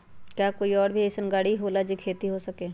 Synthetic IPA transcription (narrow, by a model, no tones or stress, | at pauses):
kjaːkoːiɔːɾbʱiesənɡaːɽiɦoːlad͡ʒikʰeːt̪iɦosəkeː